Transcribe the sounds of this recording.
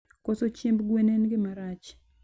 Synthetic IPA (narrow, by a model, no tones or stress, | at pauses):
kosot͡ʃembɡwenenɡɪmaɾat͡ʃ